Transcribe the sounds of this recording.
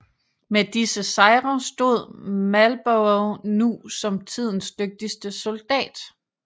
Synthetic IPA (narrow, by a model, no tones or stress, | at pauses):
med̥isəsɑ̈ɪʁɐsd̥o̝ð̞̰ˠmælb̥oʊʊnusɒ̽mt͡sʰið̞̰ˠn̩sd̥øɡ̥̚d̥isd̥əso̝ld̥ɛ̰ːd̥